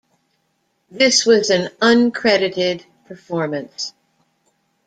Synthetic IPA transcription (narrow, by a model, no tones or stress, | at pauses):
ðɪswʌzɨ̃nʌ̃nkʰɹ̥ɛɾɨɾɪd̚ | pʰə˞fɔɹmɨ̃ns